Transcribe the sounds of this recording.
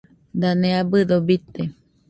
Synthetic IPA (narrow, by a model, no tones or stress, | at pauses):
d̪anẽabɨd̪obit̪e